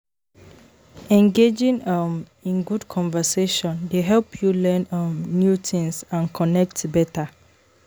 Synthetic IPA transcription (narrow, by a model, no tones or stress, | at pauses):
ɛ̃ŋɡed͡ʒĩŋʌm | ĩnɡudkʰɔ̃ɱvɛseʃɔ̃ndeɦɛlpʰjulɛnʌ̃mnjutʰĩŋsãnkʰɔnɛk̚tbɛtʰa